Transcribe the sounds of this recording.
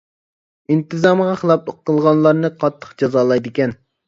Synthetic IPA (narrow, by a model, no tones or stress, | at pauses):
int̪ɨzɑmʁɑχəlˠɑplˠoqːəlˠʁɑnlˠɑɾnɨqʰɑt̪ʰːə̥χd͡ʒɑzɑːlˠɑjd̪ɪkʲɛn